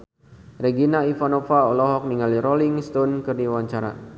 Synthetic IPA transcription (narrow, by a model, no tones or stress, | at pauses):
rɛɡinaifanofaɔlɔɦɔk̚niŋaliɾoliŋst̪onkɨrdiwaɲt͡ʃaɾa̰